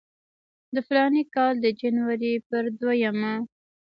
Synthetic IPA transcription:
d̪əflɑnikɑld̪əd͡ʒanwaɾipəɾd̪wajama

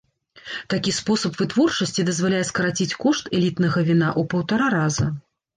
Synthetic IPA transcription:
t̪akʲispɔsɐpvɨt̪vɔrt͡ʂɐsʲt͡sʲid̪ɐzvalʲajɛskɐɾat͡sʲit͡sʲkɔʂt̪ɛlʲit̪nɐɣɐvʲinaʔupɐwt̪aɾaɾazɐ

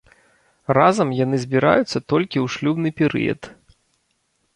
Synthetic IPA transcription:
razɐmjan̪ɨzʲbʲiɾa̰jut̪sːɐt̪ɔlʲkʲiwʂlʲubnɨpʲɛɾɨ̰jɐ̰t̪

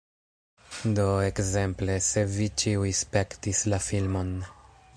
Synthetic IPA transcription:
do̞e̞kze̞mple̞se̞vit͡ʃiujspe̞ktislafilmo̞n

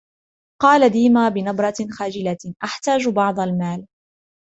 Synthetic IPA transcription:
qɑːlad̪iːmaːbɪnɑbɾˤɑxaːd͡ʒɪlaʔaħt̪aːd͡ʒbɑʕd̪ˤɑlmaːl

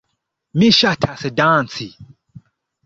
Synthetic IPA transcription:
mĩʃatʰasɛdãːnsi

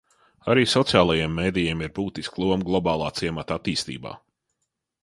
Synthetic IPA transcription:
aɾiːsɔt̪sijaːlˠajeɛmːeːd̪ijeɛmiɾbuːt̪isklˠuɔmɡlˠɔbaːlˠɑːt̪siɛmat̪at̪iːst̪ḭːba̰ː

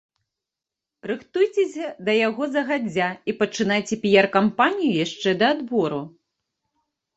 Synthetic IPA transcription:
rɨxt̪ujt͡sʲesʲɐd̪ɐjaɣɔzɐɣad͡zʲːaipɐt͡ʂɨnajt͡sʲɛpʲijarkampanʲijujaʂt͡ʂɛd̪ɐːd̪bɔɾu

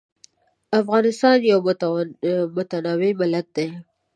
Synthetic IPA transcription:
afɣɑnɪst̪ɑnjaw | mʊt̪anɑwemɪlak̪̚d̪e

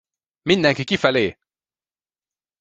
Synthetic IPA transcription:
mind̪ɛŋkikifæleː

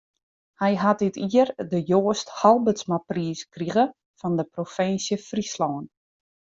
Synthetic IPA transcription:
hɛjɦat̚dɪtiərdəjoːəsthɑlˠbəsmapriːskriɣə | fɔndəprofɪnsjəfrislɔwən

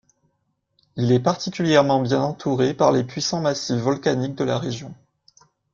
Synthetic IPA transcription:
ilɛpaʁt̪ikʲyljɛʁmɑ̃bjɛ̃nɑ̃t̪ʰuʁepaʁlepɥisɑ̃masifːɔlkanik̚d̪əlaʁeʒjɔ̃

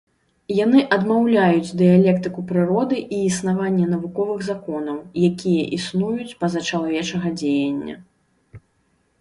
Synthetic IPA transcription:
janɨʔɐd̪mawlʲajut͡sʲd̪ɨjalʲɛkt̪ɨkupɾɨɾɔd̪ɨʔiːsnavanʲːɛn̪ɐvukɔvɨɣzakɔnɐwjakʲijɛʔisnujut͡sʲpɐzat͡ʂalˠavʲɛt͡ʂɐɣɐd͡zʲejɐnʲːɐ̰

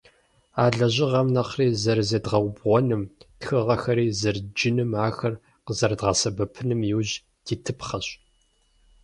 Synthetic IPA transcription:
aːɮɐʑɪʁɐmnɐqriːzɐrzɐdʁɐwʷbʁʷɔnɨmtxɨʁɐxɐɾiːzɐrd͡ʒɪnɨmaːxɐr | qəzɐrdʁɐsɐbɐpʰɨnɨmjɪwʑ | tʰiːtʰɨpχɐɕ

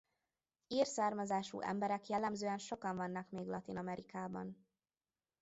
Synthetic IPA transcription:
iːrsaːrmɒzaːʃṵːʔɛ̰mbɛɾɛkjɛlːɛmzøːɛnʃo̞kɒɱvɒnːɒkmeːɡlɒt̪inɒmɛɾikaːbɒ̰n

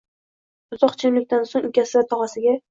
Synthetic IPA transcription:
ʊzɒqt͡ʃʰamlɪkʲt̪ansoŋʊkʲʰasɪvat̪ʰɒʁasɪɡʲa

